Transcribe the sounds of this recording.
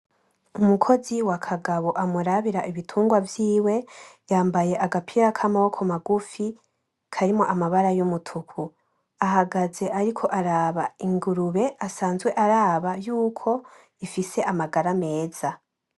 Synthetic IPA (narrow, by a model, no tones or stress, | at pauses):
umukʰo̞ziwakʰaɡaβo̞ʔamuɾaβiɾaʔiβitʰuːŋɡwavjiːwe̞jaːmbaje̞ʔaɡapʰiɾakʰamao̞kʰomaɡufi | kʰaɾimo̞ʔamaβaɾajumutʰukʰu | aɦaɡaze̞ʔaɾikʰo̞ʔaɾaːβaiŋɡuɾuβe̞asaːnzwe̞ʔaɾaːβajuːkʰo̞ | ifise̞ʔamaɡaɾame̞ːza